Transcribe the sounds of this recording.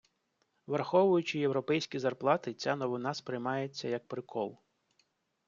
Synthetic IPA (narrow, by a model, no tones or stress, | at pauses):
ʋɐrxɔʋʊjʊt͡ʃɪjewɾɔpɛjsʲkʲizɐrplˠɑt̪ɪt͡sʲanɔʋɪnɑspɾɪjmɑjet͡sʲːɐjɐk̚pɾɪkʰɔlˠ